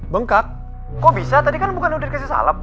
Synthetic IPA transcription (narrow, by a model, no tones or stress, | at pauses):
bəŋkak̚ | kobisat̪adikanbukanudɪt̪kasisa̰lap̚